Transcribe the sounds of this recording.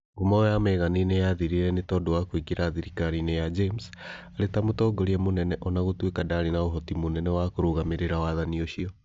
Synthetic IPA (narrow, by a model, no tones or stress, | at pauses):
ɡomɔjamɛːɣaninejaðiɾiɾɛnetɔːdowakwikiɾaːðiɾikaɾinejad͡ʒemsaɾetamotɔːɡɔɾiɛmonɛnɛʔɔnaɣotwekadaɾinaoɦɔtimonɛnɛwakoɾoɣameɾeɾawaðanioʃiɔ